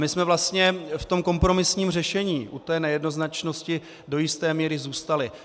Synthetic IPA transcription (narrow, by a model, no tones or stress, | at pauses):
mɪsmɛvlast̪ɲɛft̪o̞mkompɾo̞mɪsɲiːmrɛʃɛɲiːʔut̪ɛːnɛjɛdno̞znat͡ʃno̞scɪ | do̞jɪst̪ɛːmiːɾɪzuːst̪alɪ